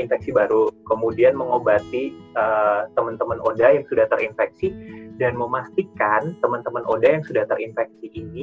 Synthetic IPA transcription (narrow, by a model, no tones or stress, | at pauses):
infɛk̚sibaɾukəmudianməŋobat̪iət̪əmənt̪əmənodajaŋsudaht̪əɾinfɛk̚sidanməmast̪ikant̪əmənt̪əmənʔodajaŋsudaht̪əɾinfɛk̚siʔːni